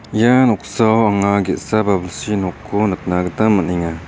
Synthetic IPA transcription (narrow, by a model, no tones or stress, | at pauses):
ijanɔk̚sawaŋaɡetsababəlsinɔkʰːonək̚naɡət̪amːəniŋa